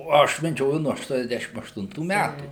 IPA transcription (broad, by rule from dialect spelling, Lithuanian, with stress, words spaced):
oː ˈɐʃ mʲɛˈd͡ʒʲoːjʊ nuɔ ɐʃtuɔnʲɛzʲˈdʲæʃʲɪm ɐʃtʊnˈtuː ˈmʲætuː